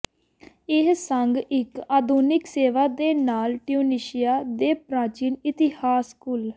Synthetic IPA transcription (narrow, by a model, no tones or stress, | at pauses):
ɪɦsəŋɡɪkaːd̪uːnɪkseːʋaːd̪eːnaːlʈɪjuːniːʃijaːd̪eːpɾãːt͡ʃiːnɪt̪ɪhaːskʊl